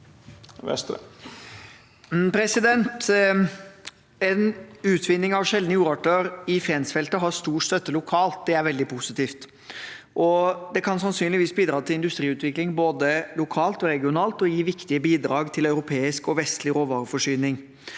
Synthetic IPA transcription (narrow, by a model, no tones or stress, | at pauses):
ɛ | pʰɾɛsɪd̪ɛnt̪ | ɛnʉːt̪ʰʋɪnːɪŋɑʋʃɛld̪nəjuːɾɑʈøːɾɪfjɛnsfɛlt̪əɦɑst̪uːʈst̪œt̪ːəlʊkʰɑːlt̪̚d̪ɛæɾʋɛld̪ɪpʰʊsɪt̪iːft̪ | ʔɔd̪ɛkʰɑnsɑnsyːnlɪʋiːsbiːd̪ɾɑːt̪ʰɪlɪnd̪ʉst̪ɾiːʉːt̪ʋɪklɪŋboːd̪əlʊkʰɑːlt̪ɔɾɛɡɪʊnɑːlt̪ɔjiːʋɪkt̪ɪəbiːd̪ɾɑːɡt̪ʰɪlœʉɾʊpʰeːɪskɔʋɛst̪lɪɾoːʋɑːɾəfɔʂyːnɪŋ